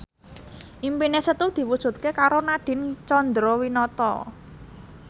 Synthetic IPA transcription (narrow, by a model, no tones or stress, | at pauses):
ʔimpinesət̪ud̪̥i̤wud̥ʒ̥ṳt̪̚kekaɾonaɖ̥ɪ̤nt͡ʃɔnd̪ɾowinɔt̪ɔ̰